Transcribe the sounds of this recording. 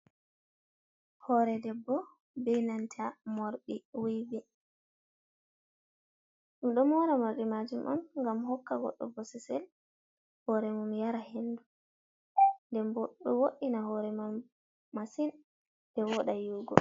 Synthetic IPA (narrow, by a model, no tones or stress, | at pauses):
hɔɾɛdɛbːɔ | bɛjnantʰamoɾɗiwijbɛ | ɗumɗɔmɔɾamoɾɗimad͡ʒumʔɔ̰nŋɡamhɔkːaɡɔ̰ɗːɔ̰bɔsɛsɛl | hɔɾɛmumjaɾahendu | ndɛmbɔɗɔwoɗinaɦɔɾɛma | masin | dɛwɔɗajuːɡɔ̰